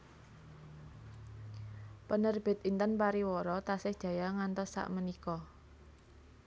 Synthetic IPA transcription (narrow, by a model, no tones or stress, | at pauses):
pənərb̥e̤t̪̚int̪ənpaɾiwɔɾɔt̪asɪhd̥ʒ̥ä̤jaŋant̪ɔsːa̰ʔmənikɔ